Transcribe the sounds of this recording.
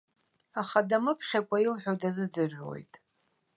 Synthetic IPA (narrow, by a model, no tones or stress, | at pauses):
aχadamɨpʰχʲakʷʼailħʷᶣowdazɨd͡zɨʕʷᶣwo̰jtʼ